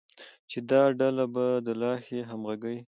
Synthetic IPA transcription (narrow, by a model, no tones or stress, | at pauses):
t͡ʃed̪ɑɖalabad̪əlɑxeɦamɣaɡəi